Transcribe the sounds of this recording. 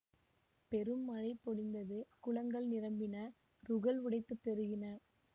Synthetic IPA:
pɛɾɯmːɐɻɐɪpːɔɽɪnd̪ɐðɯkʊɭɐŋɡɐɭnɪɾɐmbɪnɐ | ɾʊɣɐlʋɪɽɐɪt̪ːɯt̪ːɛɾɯɣɪnɐ

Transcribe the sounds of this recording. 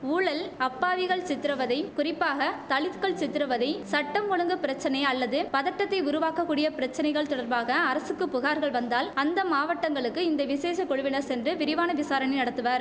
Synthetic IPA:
uːɭɐlɐpːaːʋɪɣɐɭsɪt̪ːɪɾɐʋɐðɐɪkʊrɪpːaːɣɐt̪ɐɭɪt̪kɐɭt͡ʃɪt̪ːɪɾɐʋɐðɐɪsɐʈːɐmkɔɭɐŋɡɯpɪɾɐt͡ʃːɐnɐɪɐlːɐðɯpɐðɐʈːɐt̪ːɐɪʊɾʊʋaːkɐkːuːɽɪjɐpɪɾɐt͡ʃːɐnɐɪɣɐɭt̪ɔɽɐɾbaːɣɐːɾɐsɯkːɯpːʊɣaːɾɣɐɭʋɐnd̪aːlɐnd̪ɐmaːʋɐʈːɐŋɡɐɭɯkːɯɪnd̪ɐʋɪseːsɐkɔɻɯʋɪnɐɾsɛndrɯʋɪɾɪʋaːnɐʋɪsaːɾɐɳɪnɐɽɐt̪ːɯʋaːɾ

